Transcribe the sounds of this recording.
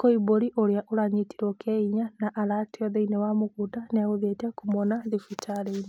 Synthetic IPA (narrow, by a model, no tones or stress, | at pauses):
koiboɾiʔoɾeaʔoɾaɲitiɾɔkʰɛiɲanaʔaɾateɔðeinewamoɣudaneaɣoðetakumɔnaðifitʰaɾein